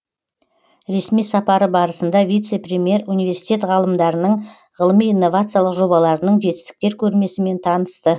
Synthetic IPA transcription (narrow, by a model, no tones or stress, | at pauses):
ɾe̞smijsɑpɑɾəbɑɾəsənd̪ɑvʲijt̪se̞pɾʲemʲije̞ɾunijvʲe̞ɾsi̥jt̪ʲe̞t̪ʁɑlˠəmd̪ɑɾənəɴ | ʁəlˠəmijinːo̞vat̪sɨjalˠəqʒo̞bɑlˠɑɾənəɴʒe̞t̪ɪ̥st̪ɪ̥k̚t̪e̞ɾkʲʰɵɾme̞sɪme̞nt̪ʰɑnəst̪ə